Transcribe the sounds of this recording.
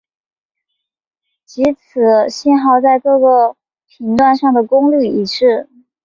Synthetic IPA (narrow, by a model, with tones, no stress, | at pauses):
t͡ɕi˧˥t͡s̩ʰ˨˩ɕi˥˧nxɑ˥˧ʊt͡sa˥˧ɪkɤ˥˧ɡə˧˩ | pʰi˧˥ŋt̪wa˥˧nʂɑ˥˩ŋd̪ə˩kʊ˥ŋly˥˩i˨˩ʂɻ̩˥˩